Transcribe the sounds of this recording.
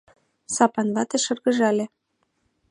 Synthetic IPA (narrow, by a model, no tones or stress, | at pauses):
sɑpɑnβɑt̪eʃɤ̆rɣɤ̆ʒɑlʲĕ